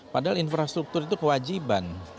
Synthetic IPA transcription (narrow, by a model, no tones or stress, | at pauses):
padaalinfɾast̪ɾuk̚t̪ʊrɾit̪ukəwad͡ʒiban